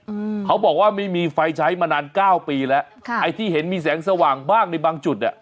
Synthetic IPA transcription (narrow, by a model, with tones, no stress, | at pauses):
kʰa˦˥wbɔː˨˩k̚waː˥˩ma˥˩jmiː˧fa˧jt͡ɕʰa˦˥jmaː˧naː˧nkaː˥˩wpiː˧lɛ˦˥ʔʰʔa˧jt̪ʰiː˥˩ɦe˩˦nmiː˧s̬ɛː˩˦ŋs̬a˧waː˨˩ŋbaː˥˩ŋna˧jbaː˧ŋt͡ɕu˨˩t̪̚ʔa˨˩